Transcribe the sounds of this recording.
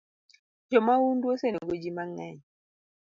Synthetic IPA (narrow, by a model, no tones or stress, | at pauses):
d͡ʒɔmawundwoseneɡod͡ʒimaŋɛɲ